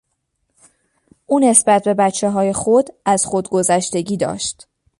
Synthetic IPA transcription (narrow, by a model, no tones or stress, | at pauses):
ʔuːne̞sbæt̪̚ʰbe̞bæt͡ʃʰːe̞ɦɒːje̞xod̪æz̥xod̪ɡo̞zæʃt̪e̞ɟiːd̪ɒ̰ːʃt̪